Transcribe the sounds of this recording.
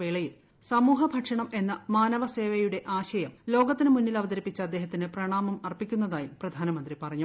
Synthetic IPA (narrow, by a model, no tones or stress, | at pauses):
eːɭɐjil | sɐmuːɦɐbʱɐʈʂɐɳɐme̞nːɐmaːnɐʋɐse̞ːʋɐjuɽe̞ʔaːɕɐjɐmlo̞ːɡɐt̪ːinɨmunːilɐʋɐd̪ɐɾipːit͡ɕːɐːd̪ːe̞ːɦɐt̪ːinɨprɐɳaːmɐmɐrpikʲːunːɐðaːjumprɐd̪ʱaːnɐmɐnd̪ripɐrɐɲːu